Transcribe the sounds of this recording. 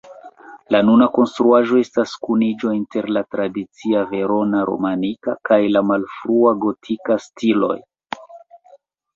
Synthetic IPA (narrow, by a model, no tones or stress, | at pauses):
lanunako̞nstɾuaʒo̞e̞staskunid͡ʒo̞inte̞ɾlatɾadit͡siave̞ɾo̞naɾo̞̰manikakajlamalfɾuaɡo̞tʰikastilo̞̰j